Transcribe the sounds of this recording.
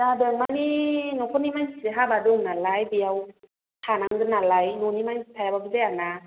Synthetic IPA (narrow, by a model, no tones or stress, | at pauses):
dadɯmaninɔkʰɔnimajnsieɦabadɔŋnalajbijaw | tʰanaŋdɯnalajnɔnimajstʰajababizejana